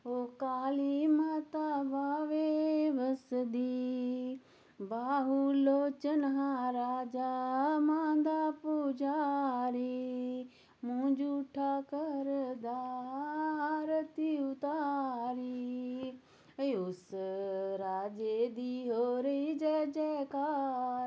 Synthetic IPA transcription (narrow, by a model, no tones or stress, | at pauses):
ɦokaːlimat̪aʋaːʋeʋəsd̪i | baːɦuloːt͡ʃənɦaɾaːd͡ʒaːmãːnd̪apud͡ʒaɾiː | mʊ̃ɲd͡ʒuʈʰaːkəɾd̪aː | aːɾət̪iʊt̪aɾi | ʊs | ɾaːd͡ʒeːd̪iɦoɾəid͡ʒɛːd͡ʒɛːka